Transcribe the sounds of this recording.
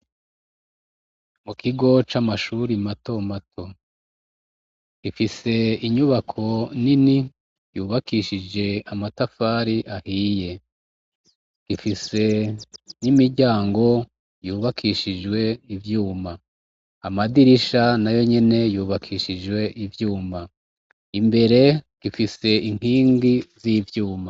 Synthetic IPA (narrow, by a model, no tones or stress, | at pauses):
mukiɡo̞t͡ʃamaʃuɾimato̞matʰo̞ | kifise̞iɲuβakʰo̞nini | juːβakʰiʃid͡ʒe̞amatafaːɾiʔahiːje̞ | ɡ̥ifise̞nimiɾɟaːŋɡo̞ | juːβakʰiʃid͡ʒwe̞ivjuːmaː | madiɾiʃanajo̞ɲe̞ne̞juːβakʰiʃid͡ʒwe̞ʔivjuːma | imbe̞ɾe̞ɡ̥ifise̞iŋ̥hiːŋɡizivjuːma